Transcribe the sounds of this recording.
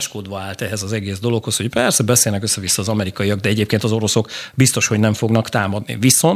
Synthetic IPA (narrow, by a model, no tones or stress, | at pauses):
ʃkod̪ʋɒaːlt̪ɛɦɛzɒzɛɡeːzd̪o̞lo̞kho̞sho̞cpɛrsɛbɛseːlnɛkøsːɛvisːɒːzɒmɛɾikɒjijɒɡ̚d̪ɛɛɟeːpkeːnt̪ɒzo̞ɾo̞so̞kbist̪o̞ʃho̞ɟnɛɱfo̞ɡnɒkt̪aːmɒd̪nḭviso̞n